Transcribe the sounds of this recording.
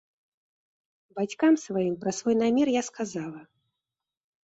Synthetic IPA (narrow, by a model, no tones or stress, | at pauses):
bat͡sʲkamsvajimpɾɐsvɔjnamʲɛrjaskazalˠɐ